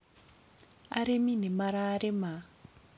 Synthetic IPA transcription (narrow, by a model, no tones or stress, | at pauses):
a̰ɾeminemaɾaːɾema